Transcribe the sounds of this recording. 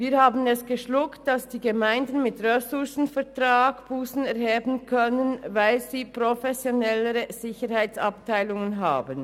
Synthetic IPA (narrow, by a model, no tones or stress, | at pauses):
viːɐhaːbən̩ɛsɡ̥əʃlʊkt̚d̥asd̥iːɡəmaɪndn̩mɪtʁɛsʊsn̩fɛʁtʁ̥aːɡ̥b̥uːsn̩ɛʁhɛːbn̩kʰœnənvaɪlziːpʁofɛsjonɛləʁəz̥ɪçəɾhaɪt͡saptʰaɪlʊŋənɦa̰ːbən